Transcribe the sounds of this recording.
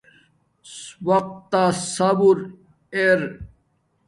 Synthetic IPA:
swɐq̚t̪ːasabuɾ | eɾ

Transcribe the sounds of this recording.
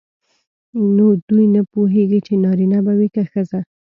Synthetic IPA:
nod̪ujnapoɦeɡit͡ʃenɑɾinabawikəxəza

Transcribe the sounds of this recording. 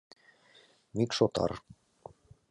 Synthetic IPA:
mikʃot̪ɑ̰r

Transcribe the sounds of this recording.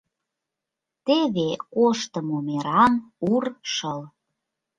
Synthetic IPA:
t̪eβekoʃt̪ə̆momeɾɑnurʃəl

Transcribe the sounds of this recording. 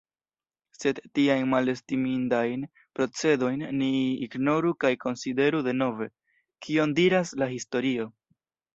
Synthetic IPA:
se̞dːiajnmale̞stimindajn | pɾo̞t͡se̞do̞jnːiːɡno̞ɾukajko̞nside̞ɾude̞no̞ve̞ | kʰio̞ndiɾaslaɦisto̞ɾio̞

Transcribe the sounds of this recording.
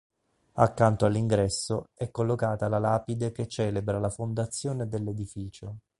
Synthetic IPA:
akːant̪oalːiŋɡɾɛsːoɛkːolːokaːt̪alalaːpid̪eket͡ʃːɛːlebɾalafond̪at̪sːjoːned̪elːed̪ifiːt͡ʃo

